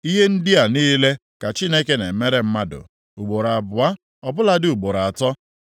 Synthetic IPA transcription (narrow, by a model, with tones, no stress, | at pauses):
i˦ɦe˦n̩˦dɪ˦a˨niː˦le˦ka˨t͡ʃi˦ne˦ke˦ne˨me˦ɾe˦m̩˦ma˦dʊ̰˨ | u˨ɡ͡bo˨ɾa˨bʊ˨a˦ | ɔ˨bʊ˦la˦dɪ˦u˨ɡ͡bo˨ɾa˨a˨tɔ˦